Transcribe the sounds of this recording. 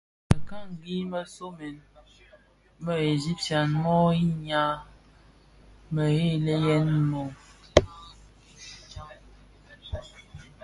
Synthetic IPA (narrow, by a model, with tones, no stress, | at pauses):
ə˨ka˦ŋ˨ɡi˦mə˦so˦mɛ˨n | mə˦e˨zi˦p̚tja˨nmɔ˦i˦ɲa˦ | mə˨ɣe˦˨le˦jɛ˦nmɔ˨